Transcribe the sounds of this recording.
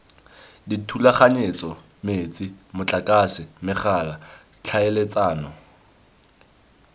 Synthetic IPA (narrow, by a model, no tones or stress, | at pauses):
ditʰulaχaɲet͡sʼɔ | met͡sʼimʊt͡ɬʼakʼasɪmɪχala | t͡ɬʰaelet͡sʼaːnɔ